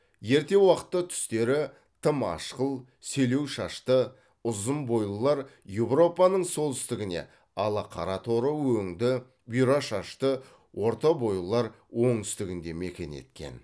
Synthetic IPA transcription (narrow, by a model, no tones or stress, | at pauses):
je̞ɾt̪e̞wɑqə̥t̪ːət̪ʰʏ̥st̪e̞ɾɪ | t̪ʰəmɑ̰ʃqəlˠ | se̞lewʃɑʃt̪ə | ʊzəmbo̞jlˠəlˠɑɾ | je̞vro̞pɑnəɴso̞lˠt̪ʏst̪ɪɡʲɪne̞̰ | ɑlˠɑqʰɑɾɑt̪ʰo̞ɾəwɵŋd̪ɪ | bijɾɑʃɑʃt̪ə | wʔo̞ɾt̪ɑbo̞jləlˠɑɾ | wo̞ɴt̪ʏ̥st̪ɪɡʲɪnd̪e̞mekʲe̞̰ne̞̰t̪kʲe̞̰n